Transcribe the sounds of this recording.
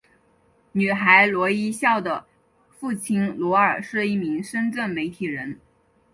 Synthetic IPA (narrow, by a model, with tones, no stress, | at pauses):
ny˨˩xa˧˥ɪlwɔ˧˥i˥ɕjɑ˥˩ʊd̪ə˩ | fu˥˩t͡ɕʰi˥ŋlwɔ˧˥ə˞˨˩ʂɻ̩˥˧i˥˩mi˧˥ŋʂə˥nʈ͡ʂə˥˩nme˧˥ɪt̪ʰi˨˩ɻə˧˥n